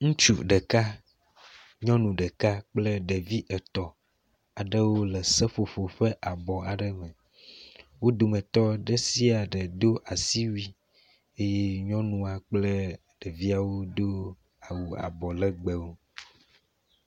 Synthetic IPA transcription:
ŋũ˦t͡ʃu˨ɖə˨ka˦ | ɲɔ̃˦nũ˨ɖə˨ka˦k͡plə˦ɖə˨vi˦ʔɛ˨t̪ɔ˨ | a˨ɖə˦wo˦lɛ˨sɛ˦fo˨fo˨ɸə˦ʔa˨bɔ˨a˨ɖə˦mɛ˨ | wo˦d̪o˨mɛ̃˨t̪ɔ˦ɖə˦si˦a˨ɖə˨d̪o˦ʔa˨si˦wi˦ | e˦je˦ɲɔ̃˦nũ˦a˨k͡plə˦ | ɖ̥ə˨vi˦a˨wo˦d̪o˦ | a˨wu˨a̰˨bɔ˨lə˦ɡ͡bə˨wo˦

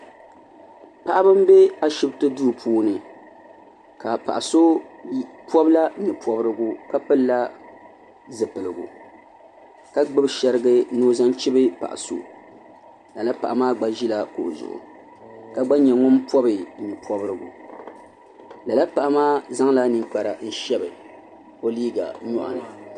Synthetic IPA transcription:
pa˨ʔa˦bɨ˦m˦be˦a˦ʃɪ˦btɨ˦du˦˨pʰuː˦nɨ˨ | ka˨pa̰˨ʔa˨so˦ | pɔ˦bla˦nɨ˨pʰɔ˨bɾɨ˦ɡu˨ka˦pɨ˦lːa˦ | zɨ˨pɨ˨lɨ˨ɡṵ˨ | ka˦ɡ͡bɨ˦bʃɛ˦ɾɨ˦ɡɨ˦noː˦za˦nt͡ʃi˦bɨ˦pa̰˨ʔa̰˨so̰˦ | la˨la˦pa˨ʔa˨maː˦ɡ͡ba˦ʒi˦la˦ko˨ʔzʊ̰˨ʔʊ̰˨ | ka˦ɡ͡ba˦ɲɛ˨ŋʊ˦mpɔ˦bɨ˨ɲɛ˨pʰɔ˦bɨ˦ɾɨ˦ɡu˨ | la˨la˦pa˨ʔa˦maː˦za˦ŋla˦nɨ˨ŋk͡pa˨ɾa˨n̩˦ʃɛ˦bɨ˨ | o˦liː˦ɡa̰˨ɲɔ̰˦ʔa̰˨nɨ̰˨

